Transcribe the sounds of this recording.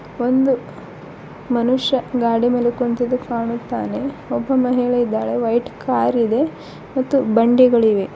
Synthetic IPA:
o̞nd̪u | mɐnuʂːɐɡaːɽimɐlukont̪id̪ukaːɳut̪ːaːne̞ɔbːɐmɐɦiɭɐid̪ːaːɭeʋɐjʈkaːɾid̪e̞ | mɐt̪ːubɐɳɖiɡɐɭiʋe̞

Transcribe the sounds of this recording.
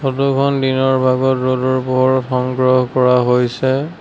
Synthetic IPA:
ɔtukʰɔndinɔɹbʱaɡɔtodɔɹpɔɦɔɹɔtxɔŋɡɹɔɦkɔɹaɦojsɛ

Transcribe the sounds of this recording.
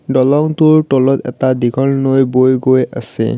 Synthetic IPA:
dɔlɔŋtʊɹtɔlɔtɛ̰tadiɡʱɔlnojbojɡoja̰sɛ̰

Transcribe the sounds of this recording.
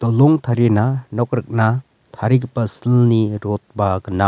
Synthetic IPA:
d̪̥ɔlɔŋt̪ʰaɾenanɔk̚ɾɯk̚na | t̪ʰaɾikpasilniɾot̪̚baɡɯna

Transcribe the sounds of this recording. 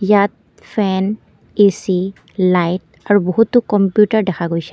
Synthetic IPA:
jat̪̚ | fʰɛn | isi | lajt | aɹubɔɦut̪ːukɔmpjutaɹdɛkʰaɡojsɛ̥

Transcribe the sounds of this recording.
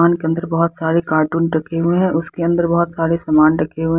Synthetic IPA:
aːnkeə̃nd̪əɾbɐɦʊt̪saːɾekaːɾʈuːnʈɐkʰeɦʊeɦɛ̃ʔʊskeɐ̃nd̪əɾbɐɦʊt̪saːɾesɐmaːnʈɐkʰeɦʊe

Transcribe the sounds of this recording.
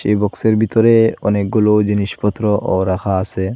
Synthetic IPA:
ʃebɔkseɾbʱit̪ɔɾeɔnek̚ɡulod͡ʑiniʃpɔt̪ːɾɔʔɔɾaxʰaase

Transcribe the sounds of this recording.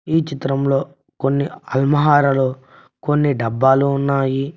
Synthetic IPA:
iːt͡ʃit̪ɾɐmlo̞ː | konːiɐlmɐɦaːɾɐlo̞ː | ko̞nːiɖɐbːaːluːnːaːji

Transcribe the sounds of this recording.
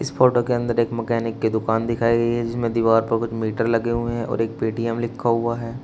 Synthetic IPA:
ɪsfʰɔːʈokeɐ̃nd̪əɾeːkmɛkɛːnɪkːed̪ʊkaːnd̪ɪkʰaːiɡɐiɦɛd͡ʒɪsmẽd̪iːʋaːɾpɐɾkʊt͡ʃʰmiːʈəɾlɐɡeɦueɦɛ̃ʔɔ̰ːɾeːk̚piːʈiːɛmlɪkʰːaɦuaɦɛː

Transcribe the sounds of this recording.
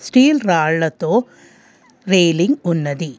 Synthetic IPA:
sʈiːlɾaːɭːɐt̪oː | ɾeːliŋɡunːɐd̪i

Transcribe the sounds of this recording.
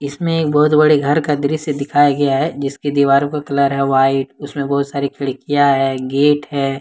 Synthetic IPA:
ɪsmẽeːk̚bɔːʊt̪bɐɽeɡʱɐɾkad̪ɪɾised̪ɪkʰaːjaɡɐjaɦɛd͡ʒɪskid̪iːʋaːɾõkakɐləɾɦɛʋaːɪʈʊsmẽbɔɦʊt̪saːɾikʰɪɭkijaɦɛːɡeːʈɦɛː

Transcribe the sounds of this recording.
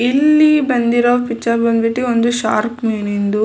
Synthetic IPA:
ilːibɐnd̪iɾɐʋpit͡ʃːɐɾbɐnd̪biʈːiond̪uʃa̰ːɾkmeːnind̪u

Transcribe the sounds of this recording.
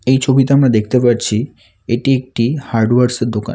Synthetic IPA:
ejt͡ʃʰobit̪eamɽad̪ekʰt̪epaɾt͡ʃʰi | eʈiek̚ʈihaɾɖʋaɾsd̪oka̰n

